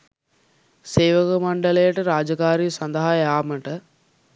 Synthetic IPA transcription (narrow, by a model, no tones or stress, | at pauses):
seːʋəkəmɐɳɖələjəʈəɾaːd͡ʒəkaːɾiːsɐnd̪əɦajaːməʈə